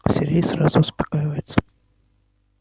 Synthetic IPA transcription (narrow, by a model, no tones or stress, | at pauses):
sʲɪɾʲejsɾazʊʊspɐ̥kajɪvəjɪt̪sə̥